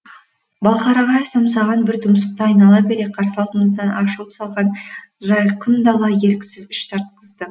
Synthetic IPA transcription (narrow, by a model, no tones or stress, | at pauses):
bɑlˠqɑɾɑʁɑesɑmsɑʁɑnbɪɾt̪ʰʊmsəq̚t̪ɑɑjnɑlˠɑbe̞ɾeqʰɑɾsɑlˠt̪əɴəzd̪ɑnʔɑʃəlˠəpsɑlˠʁɑnʒɑjqʰənd̪ɑlˠɑje̞ɾkʲɪ̥sɪzɪʃt̪ʰɑɾt̪̚qəzd̪ə